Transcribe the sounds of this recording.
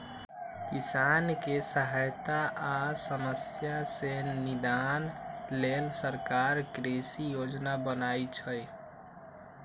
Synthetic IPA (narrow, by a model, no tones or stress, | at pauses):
kisankesəɦajt̪aʔasəməsjasenid̪anlelsəɾkaɾkɾesijod͡ʒnabənajt͡ʃʰəj